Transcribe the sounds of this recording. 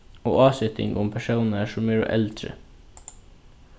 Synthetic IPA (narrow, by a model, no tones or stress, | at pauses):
o̰ːʔɑːsʏt̪ɪ̰ŋʊmpʰæʃuːnəʃʊmæːɾo̰ːʔɛld̪ɾə̰